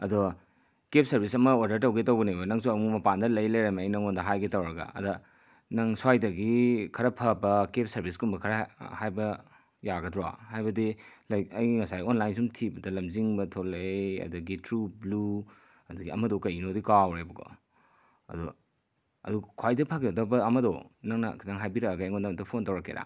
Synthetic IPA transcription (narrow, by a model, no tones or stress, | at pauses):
ɐdo | kep̚sɐɾbisɐmɐoɾdɐɾtɐwɡetɐwɡɐnijbɐnɐŋsuɐmumɐpandɐlɐjlɐjɾɐmɐːjnɐŋondɐɦajɡitɐwɾɐɡɐ̰ɐ̰dɐ | nɐŋswajdɐɡikʰɐɾɐpʰɐbɐkep̚sɐɾbiskumbɐkʰɐɾahajbɐ | jaɡɐdɾwa̰hajbɐdilɐjɐjŋɐsajonlajnsumtʰibɐdɐlɐmziŋbɐtʰolːejɐ̰duɡitɾublu | ɐduɡiɐmɐdɔkɐjinodikawɾebɐɡo̰ | ɐ̰dṵ | ɐ̰dukʰajdɐpʰaɡeɐdɐbɐɐmɐdɔ̰naŋnɐ̰kʰidaŋɦajbiɾɐkɡaeŋondɐmɐdɐpʰontɐwɾɐkːḛɾa̰